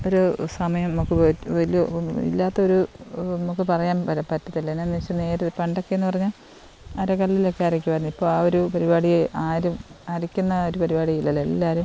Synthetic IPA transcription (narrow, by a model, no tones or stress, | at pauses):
o̞ɾusɐmɐjɐmnɐmukːɨpoʋɐlijɐḭlːaːt̪ːɐoɾunɐmukːɨpɐrɐjaːnpɐpɐtːɐt̪ːilːɐnːenːit͡ɕːune̞ːɾɨðpɐɳɖo̞kːeenːɨpɐrɐɲːaːl | ɐɾɐkɐlːɐilokːeaɐɾɐk̬ʲːupɐɾnːipːoːɭaːoɾupɐɾibaːɽijeʔaːɾumɐɾikʲːunːɐoɾupɐɾibaːɽijɐilːɐlːɐlːaːɾum